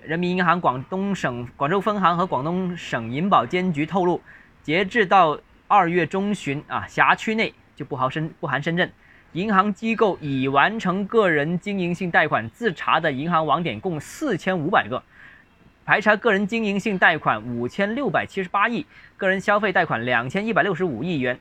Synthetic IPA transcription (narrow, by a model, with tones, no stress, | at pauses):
ɻə˧˥nmi˧˥ni˧˥nxɑ˧˥ŋk̪ʊ˥ŋɤ˨˩ŋkwa˨˩ŋʈ͡ʂo˥˧ʊfə˥nxɑ˧˥ŋxɤ˧˥kwɑ˨˩ŋt̪ʊ˥ŋʂɤ˨˩ŋi˧˥npɑ˨˩ʊt͡ɕjɛ˥nt͡ɕy˧˥t̪ʰo˥˧ʊlu˥˩ | t͡ɕjɛ˧˥ʈ͡ʂɻ̩˥˧t̪ɑ˥˧ʊ | ɐ˞˥˧ɥɛ˥˩ʈ͡ʂʊ˥ŋɕy˧˥nɐ̰˧ɕja˧˥t͡ɕʰy˥ne˥˩ɪt͡ɕjo˥˧ʊpu˥˩ɑ˧˥ʂə˥npu˥˩xa˧˥nʂə˥nʈ͡ʂə˥˩n | i˧˥ŋxɑ˧˥ŋt͡ɕi˥ko˥˩ʊi˨˩wa˧˥nʈ͡ʂʰɤ˧˥ŋkɤ˥˩ɻə˧˥nt͡ɕi˥ŋi˧˥ŋɕi˥˧ŋt̪a˥˩ɪkʰwa˨˩nt͡sɹ̩˥˩ʈ͡ʂʰa̰˧˥d̪ə˨i˧˥ŋxɑ˧˥ŋwɑ˧˥ŋt̪jɛ˨˩nkʊ˥˧ŋsɹ̩˥˩t͡ɕʰjɛ˥nu˧˥pa˨˩ɪɡə˧˦ | pʰa˧˥ɪʈ͡ʂʰa˧˥kɤ˥˩ɻə˧˥nt͡ɕi˥ŋi˧˥ŋɕi˥˧ŋt̪a˥˩ɪkʰwa˨˩nu˨˩t͡ɕʰjɛ˥nljo˥˩ʊpa˨˩ɪt͡ɕʰi˥ʂɻ̩˧˥pa˥i˥˩kɤ˥˩ɻə˧˥nɕjɑ˥ʊfe˥˧ɪa˥˩ɪkʰwa˨˩nljɑ˨˩ŋt͡ɕʰjɛ˥ni˥˩pa˨˩ɪljo˥˩ʊʂɻ̩˧˥u˨˩i˥˩ɥɛ˧˥n